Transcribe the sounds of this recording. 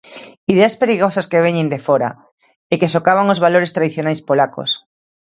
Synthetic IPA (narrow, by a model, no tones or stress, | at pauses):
iðeaspeɾiɣosaskeβ̞eɲẽnd̪efoɾa̰ | ekesokaβaŋozβaloɾest̪ɾaðiθjonajspolako̰s